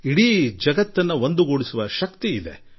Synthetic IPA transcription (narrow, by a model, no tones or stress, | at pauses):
iɽiːd͡ʒɐɡɐt̪ːɐnːɐond̪uɡuɽisuʋɐʃɐkt̪iːd̪e̞̰